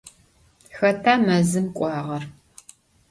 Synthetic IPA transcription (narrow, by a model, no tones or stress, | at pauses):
xɐtʰaːmɐzɨmkʷʼɑːʁɐr